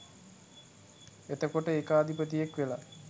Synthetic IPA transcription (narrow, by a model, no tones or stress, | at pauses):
et̪əkoʈəekəːd̪ʱipət̪̬ijekʋela